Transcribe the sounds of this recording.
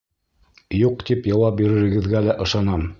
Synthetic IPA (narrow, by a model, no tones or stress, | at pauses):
juqt̪ipjɑwɑp̚biɾɘ̆ɾɘ̆ɡɘ̆ðɡælæʔɤ̆ʃɑnɑm